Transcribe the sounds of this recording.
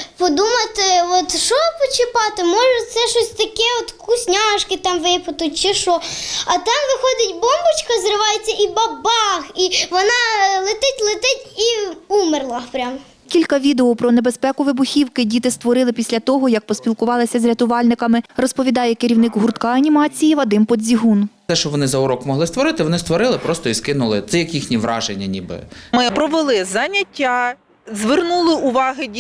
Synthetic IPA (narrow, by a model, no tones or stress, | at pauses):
pɔd̪umɐt̪ɪɔt̪ʃɔpɔt͡ʃɪpɑt̪ɪmɔʒɛt̪sɛʃɔsʲt̪ɐkɛɔt̪kʊsʲnʲɑʃkɪt̪ɑmʋɪpɐt̪ʊtʲt͡ʃɪʃɔɐt̪ɑmʋɪxɔd̪ɪtʲbɔmbʊt͡ʃkɐzrɪʋɑjet͡sʲːɐʔibɐbɑxiʋɔnɑlˠɪt̪ɪtʲlˠɪt̪ɪtʲiumɪrlˠɐpɾʲam | kʲilʲkɐʋʲid̪eɔpɾɔnebespɛkʊʋɪbʊxʲiwkɪdʲit̪ɪst̪ʋɔɾɪlˠɪpʲisʲlʲɐt̪ɔɦɔjɐk̚pɔsʲpʲilˠkʊʋɑlˠɪsʲɐzɾʲɐt̪ʊʋɑlʲnɪkɐmɪrɔspɔʋʲid̪ɑjɛkɪɾʲiwnɪkɦʊrt̪kɑɐnʲimɑt͡sʲijiʋɐd̪ɪmpɔd̪ʲzʲiɦunt̪ɛʃt͡ʃɔʋɔnɪzɐʊɾɔkmɔɦlˠɪst̪ʋɔɾɪt̪ɪʋɔnɪst̪ʋɔɾɪlˠɪpɾɔst̪ɔiskɪnʊlˠɪt̪sɛjɐkjixnʲiʋɾɑ̰ʒenʲːɐnʲibɪ̰mɪpɾɔʋɪlˠɪzɐnʲɐtʲːa | zʋernulˠɪʊʋɑɦɪ